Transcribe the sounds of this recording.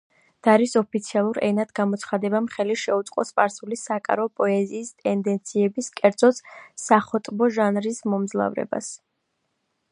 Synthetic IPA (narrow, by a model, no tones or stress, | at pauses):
d̪̥aɾisɔpʰit̪sʰialˠuɾɛ̰nat̪ɡamɔt̪sʰχad̪ɛbamχɛliʃɛut̪sʼqʼɔspʼaɾsulisakʼa̰ɾɔpʼɔɛziːst̪ʼɛnd̪ɛnt̪sʰiɛbiskʼɛɾd̪zɔt̪ssaχɔt̪ʼbɔʒanɾismɔmzlˠa̰vɾɛ̰ba̰s